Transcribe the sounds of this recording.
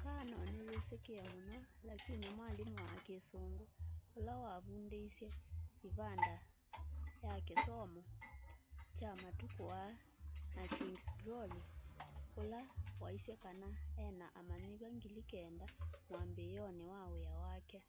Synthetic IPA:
kanɔneβesekeɛmonɔlakinimwalimɔakesoːŋɡoːlawaβundeisjɛiβanda | jakesɔmɔ | t͡ʃamatukoa | nakiŋɡsɡɾɔli | olawaisjɛkanaɛnaʔamaɲiβaŋɡilikɛndamwambejɔnewaweawakɛ

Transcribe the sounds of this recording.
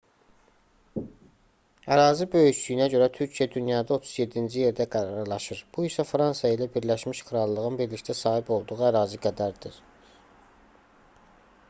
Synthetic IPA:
æɾɑːzibø̞jyʃd̪yjynæɟø̞ɾæt̪ʰyɾcʰijæd̪ynjɑːd̪ɑo̞t̪ʰu̥zje̞d̪ind͡ʒije̞ɾd̪æɡæɾɑɾlˠɑʃɯɾb̥uisæfɾɑnsɑilæbiɾlæʃmiʃkʰɯɾɑlˠːɯʁɯnbiɾlicʰt̪æsɑːhipo̞lˠd̪uʁuæɾɑːziɡæd̪æɾd̪iɾ̥

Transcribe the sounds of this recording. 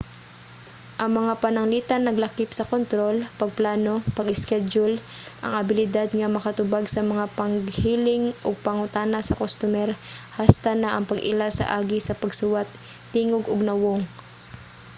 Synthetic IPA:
ʔɐŋmɐŋapɐnɐŋlit̪ɐnːɐɡlɐkipsɐkont̪ɾo̞lpɐɡ̚plaːno̞pɐɡɪskɛd͡ʒʊl | ʔɐ̰ŋɐbɪlɪd̪ad̪̚ŋɐmɐkɐt̪ʊbaɡsɐmɐŋapɐŋɡhiːlɪŋʔoɡ̚pɐŋʊt̪aːnasɐkost̪ʊmɛɾhast̪anaʔɐŋpɐɡʔɪ̰lasɐ̰ʔaːɡɪsɐpɐɡsʊwat̪̚ː | iːŋoɡoɡ̚nɐwoŋ

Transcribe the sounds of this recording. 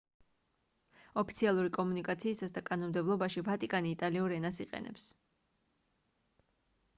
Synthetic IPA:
ɔpʰit̪sʰialˠuɾikʼɔmunikʼat̪sʰiːsasd̪akʼanɔmd̪ɛblˠɔbaʃivat̪ʼikʼaniːt̪ʼaliuɾɛnasiqʼɛ̰nɛ̰ps

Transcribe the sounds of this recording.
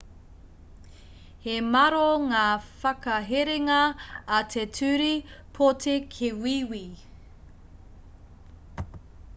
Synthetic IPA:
hemɐɾoŋaːfɐkɐɦeɾeŋɐːtʰetʰʉɾipʰotʰekʰewiːwi

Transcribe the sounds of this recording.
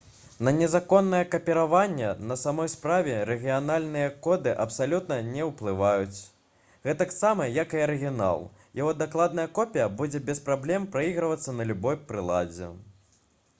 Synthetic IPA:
nɐnʲɛzakɔnːɐjɛkɐpʲɛɾavanʲːɛnɐsamɔjspɾavʲɛɾɛɣʲijanalʲnɨjɐkɔd̪ɨʔɐpsalʲut̪nɐnʲɛwplˠɨvajut͡sʲ | ɣɛt̪aksamɐjakɨɐɾɨɣʲina̰lˠ | jaɣɔd̪aklˠad̪nɐjɐkɔpʲijɐbud͡zʲɛbʲɛspɾablʲɛmpɾaiɣɾɐvɐt̪sːɐnɐlʲubɔjpɾɨlˠa̰d͡zʲɛ̰

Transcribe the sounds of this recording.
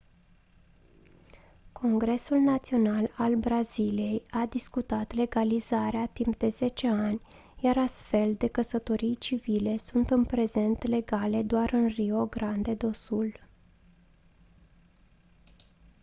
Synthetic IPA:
kʰo̞ŋɡɾe̞sulnat̪sio̞nalalbɾazilije̞jad̪iskut̪at̪le̞ɡalizaɾeat̪imp̚d̪e̞ze̞t͡ʃe̞anʲ | jaɾast̪fe̞ld̪e̞kəsət̪o̞ɾijt͡ʃivile̞sunt̪ɨnpɾe̞ze̞nt̪le̞ɡale̞d̪oaɾɨnrio̞ɡɾand̪e̞d̪o̞sul

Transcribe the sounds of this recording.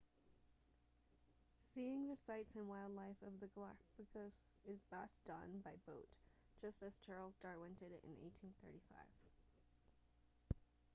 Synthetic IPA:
siɪ̃ŋðɨsaɪtsɨ̃nwaɪlˠdˡlaɪfʌvðɨɡlæ̰k̚b̥ɨkʰʌsɪzbɛsd̥ʌ̰̃nbaɪboʊt | d̥ʒ̥ʌstɨz̥t͡ʃʰɑɹlˠzdɑɹwɛ̃ntɨɾɨɾɨ̰̃nḛɪtʰĩnθɜ̰˞ɾifa̰ɪv̥

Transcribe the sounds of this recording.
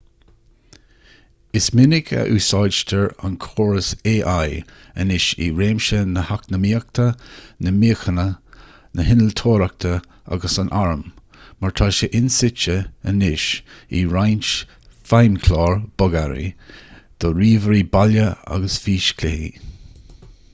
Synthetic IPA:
ɪsmɪnɪɡʰə̰ʔuːsɑjʃtʰəɹa̰nkʰoːɹəseːʔaj | ə̰nɪʃḭɹeːmʃənəhaknəmiːək̚t̪ʰənəmiːəxənə | nəhɪnəlt̪ʰoːɾak̚t̪ʰə | a̰ɡəsanʔaɹəmː | aɹt̪ʰaʃəʔɪnsɪt͡ʃəənɪʃiɹajnt͡ʃ | fajnkʰlɑːɹb̥ɔɡaɾḭd̪̥ɔɾiːvəɾibaljəa̰ɡəsfiːʃkʰlɪhḭ

